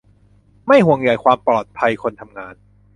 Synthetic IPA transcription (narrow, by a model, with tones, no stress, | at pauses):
ma˥˩jɦu˨˩əŋja˨˩˦jkʰwaː˧mpɔː˨˩t̪̚pʰa˧jkʰo˧nt̪ʰa˧mŋaː˧n